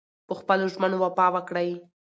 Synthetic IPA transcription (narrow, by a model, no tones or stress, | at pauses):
pəxpəloʒmənowapɑwəkɽaj